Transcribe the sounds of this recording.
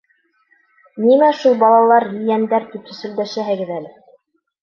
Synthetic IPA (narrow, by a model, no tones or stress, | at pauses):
nimæʃulˠbɑlˠɑlˠɑɾjɘ̆jænd̪æɾt̪ipɵ̆sɵ̆ld̪æʃæɦɘɡɘðælɘ